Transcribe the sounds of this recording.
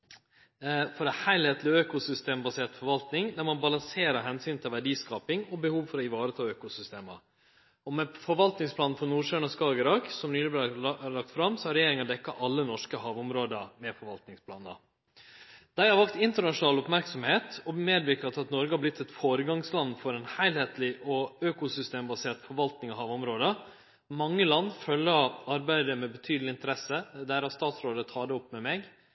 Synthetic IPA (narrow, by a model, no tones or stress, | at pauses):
fɔɾɛhæɪlheːt̪ʰlɪøːkʊsʏst̪eːmbɑseːʈ̪fɔɾʋɑlt̪nɪŋd̪æɾmɑnbɑlɑŋseːɾəɦɛnsyːnt̪ʰɪlʋæɖiːskɑːpɪŋɔbəhuːʋfɔɾɔɪʋɑːɾət̪ʰɑːøːkʊsʏst̪eːmə̰ | ɔmɛfɔɾʋɑlt̪nɪŋspʰlɑːnfɾɔnuːʂøːɳɑskɑːɡəɾɑksɔmnyːlɪblɛlɑkt̪fɾɑmsɔhæɾɛjeːɾɪŋɑd̪ɛkːɑʔɑlːənɔʂkəhɑːʋʊmɾoːd̪əmɛfɔɾʋɑlt̪nɪŋspʰlɑːnə̰ | d̪̥æɪhɑɾʋɑk̚t̪ɪnt̪əɳɑʂʊnɑːlʊpmæɾksɔmheːt̪ɔmeːd̪ʋɪɾkɑt̪ɑt̪nɔɾɡəhɑblɪt̪ʰːɛt̪foːɾəɡɑŋslɑnːfɔɾɛnhæɪlheːt̪lɪʔɔøːkʊsʏst̪eːmbɑseːʈ̪fɔɾʋɑlt̪nɪŋɑhɑːʋʊmɾoːd̪ə | mɑŋːəlɑnːfœlːəɑɾbæɪd̪əmɛbət̪ʰyːd̪əlɪnt̪əɾɛsəd̪æɾhɑst̪ɑːt̪sɾoːd̪ət̪ʰɑːd̪ɛɔpːmɛmɛɡ